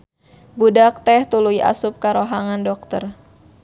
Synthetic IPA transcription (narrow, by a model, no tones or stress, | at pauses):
budak̚t̪ɛht̪ulujʔa̰sup̚kaɾoɦaŋandɔk̚t̪ər